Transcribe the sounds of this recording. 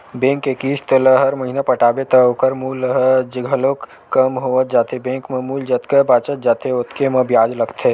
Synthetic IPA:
bẽːŋkːekiːst̪ələɦɐɾməɦiːnapəʈaːbet̪əokəɾmuːlɦd͡ʒɡʱəlok | kːəmɦoːət̪̚d͡ʒaːt̪ebẽːkmẽmuːld͡ʒət̪kəbaːt͡ʃət̪̚d͡ʒaːt̪eʊt̪ʰkemɐ̃bjaːd͡ʒləkt̪ʰeː

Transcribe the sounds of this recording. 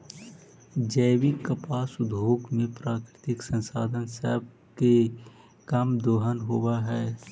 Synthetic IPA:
d͡ʒəːwɪkːəpaːsʊd̪ʱoːkmẽpɾaːkɾɪt̪ɪksə̃nsa̰ːd̪ʱənsə̰ɦb̚ | ke | kəmd̪oːɦənɦowaɦɛː

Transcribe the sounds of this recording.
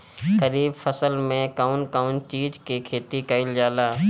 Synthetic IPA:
kəɾiːbfʰəsəlmẽkaːʊnkaːʊnt͡ʃiːd͡ʒkekʰeːt̪ikəɪld͡ʒaːlaː

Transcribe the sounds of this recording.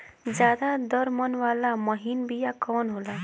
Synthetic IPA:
d͡zjad̪ad̪ʌɾmʌnwalamʌɦinbijakʌwnɦola

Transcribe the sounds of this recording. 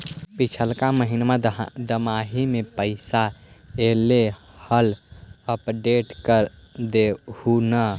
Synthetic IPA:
pit͡ʃʰəlkaməɦinmãd̪əmaɦimepəɪsaele | hələpɖeʈkəɾd̪ehunə

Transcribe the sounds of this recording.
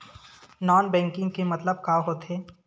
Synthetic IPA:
nɔːnbɛ̃ːŋkɪ̃ŋɡkemɐt̪ləb̚kaːɦoːt̪ɦeː

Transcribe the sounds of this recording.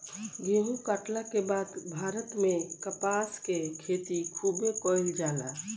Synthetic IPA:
ɡeɦũkaʈlakebad̪bʱaːɾət̪mẽkəpaskekʰet̪ikʰubekɔjld͡ʒaːla

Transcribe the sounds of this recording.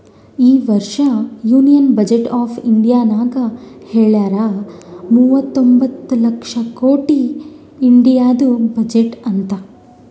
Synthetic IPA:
iːʋɐɾʂɐjuːnijɐnbɐd͡ʒeʈaːpʰiɳɖijaːnaːɡɐheːɭaːɾamuːʋɐt̪ːombɐt̪ːulɐkʂɐkoːʈiː | ɳɖijaːd̪ubɐd͡ʒeʈɐnt̪ɐ

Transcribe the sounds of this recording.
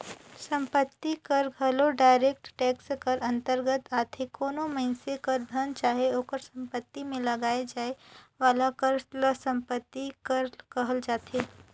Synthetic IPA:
sɐ̃mpət̪ːikɐɾɡʱɐloɖaːɪɾeːkʈʈɛːkskɐɾɐ̃nt̪əɾɡət̪aːt̪ʰekoːnomɐɪnsekɐɾd̪ʱənt͡ʃaːɦeoːkəɾsɐ̃mpət̪ːimẽlɐɡaːed͡ʒaːeʋaːlakəɾləsɐ̃mpət̪ːikɐɾkɐɦəld͡ʒaːt̪ʰeː

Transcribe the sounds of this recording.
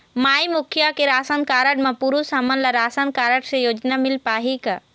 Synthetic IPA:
maːimʊkʰjakeɾaːsənkaːɾəʈmãpuːɾusɐmənlaɾaːsənkaːɾəʈsẽjoːd͡ʒnamɪlpaːɦika

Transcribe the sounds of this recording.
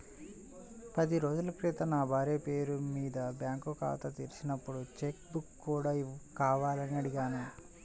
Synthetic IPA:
pɐd̪iɾo̞ːd͡ʒulɐkɾiːt̪ɐnaːbʱaːɾeːpeːɾumiːd̪ɐbjaːŋkuka̰ːt̪ɐt̪iːɾisinɐpːuɽut͡ʃekbukːuːɽaːikaːʋaːlɐniɐɽiɡaːnu

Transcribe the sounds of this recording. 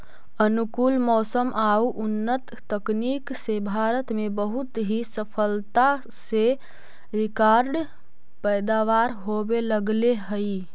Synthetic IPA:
ənukulmɔsəmʔauʔunːət̪ːəkniksebʱaɾət̪mebəɦut̪ɦisəpʰəlt̪a | se | ɾikaɾɖ | pəjd̪aʋaɾɦobeləɡleɦəi

